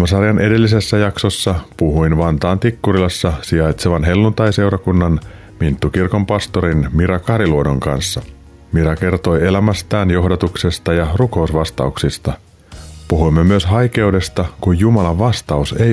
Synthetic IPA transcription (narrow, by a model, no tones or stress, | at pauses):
mɑsɑrjɑnʔe̞de̞lːis̬e̞sːæjɑkso̞sːɑpuɦuinʋɑnt̪ɑːnt̪ikːuɾilɑsːɑsiɑjt̪seʋɑnɦe̞lːunt̪ɑjse̞wɾɑkunːɑn | mint̪ːukirko̞mpɑst̪oɾinmiɾɑkɑɾiluodo̞ŋkɑ̰nsːɑ | miɾɑke̞rt̪o̞je̞læmæst̪æːnjo̞hdɑt̪ukse̞st̪ɑjɑruko̞usʋɑst̪ɑ̰uksist̪ɑ | puɦujmːemyøsɦɑjke̞ude̞st̪ɑkujːumɑlɑʋʋːɑst̪ɑuse̞j